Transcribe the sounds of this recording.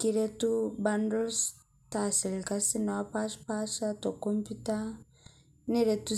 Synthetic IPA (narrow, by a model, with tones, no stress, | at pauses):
ki˨ɾe˦tu˦ba˦ndɔ˦ls | ta˨sɛ˨lka˦si˦na˨wa˦pa˦ʃpa˦ʃa˦tɔ˨kɔ˦mpi˦ta˦ | ne˦ɾe˨tu˦